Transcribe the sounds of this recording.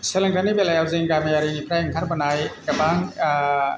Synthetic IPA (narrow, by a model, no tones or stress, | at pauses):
selaŋtʰanibelajawzeŋɡamijaɾinipʰɾajŋkʰaɾbɐnajɡɐbaŋ